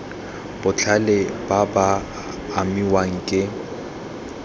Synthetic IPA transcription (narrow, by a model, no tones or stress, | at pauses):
b̥ʊt͡ɬʰalɪbabaː | miwaŋ̩kʼɪ